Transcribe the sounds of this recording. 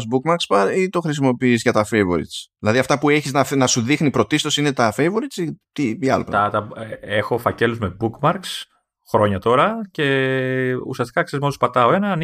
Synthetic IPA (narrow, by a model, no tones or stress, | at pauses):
zbukmɐɾkspɐɾit̪o̞xɾis̬imo̞piːzʝɐt̪ɐfejvo̰ɾḭt̪t͡sðilɐðiɐft̪ɐpue̞çiznɐnɐsuðixnipɾo̞t̪ist̪o̞sine̞t̪ɐfejvoɾit̪t͡sit̪iiɐ̰lpt̪ɐt̪ɐexo̞fɐce̞luzme̞bukmɐɾks | xɾo̞ɲɐt̪o̞ɾɐce̞ | ṵsiɐst̪ikɐksezmospɐt̪ɐo̞e̞nɐn